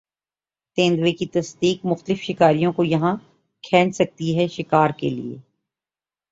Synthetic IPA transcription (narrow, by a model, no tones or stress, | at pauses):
t̪ẽːnd̪wekit̪ɐsd̪iːkmʊxt̪əlɪfʃɪkaːɾijõkojɐɦã | kʰɛ̃ːnsɐk̚t̪iɦɛʃɪkaːɾkḛlḭḛː